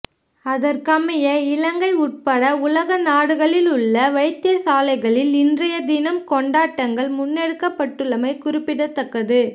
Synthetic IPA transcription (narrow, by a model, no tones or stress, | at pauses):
ɐðɐrkɐmɐjɐɪlɐŋɡɐɪʊʈ̚pɐɽɐʊlɐɣɐnaːɽɯɣɐɭɪlʊɭːɐʋɐɪt̪ːɪɐsaːlɐɪɣɐɭɪlɪndrɐjɐd̪ɪnɐmkɔɳɖaːʈːɐŋɡɐɭmʊnːɛɽɯkːɐpːɐʈːɯɭːɐmɐɪkʊɾɪpːɪɽɐt̪ːɐkːɐðɯ